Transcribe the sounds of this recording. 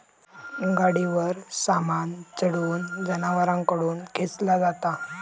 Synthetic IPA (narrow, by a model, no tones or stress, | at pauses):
ɡaɽiʋəɾsamant͡səɽuːnd͡zənaʋəɾãŋkəɽuːnkʰet͡slad͡zat̪a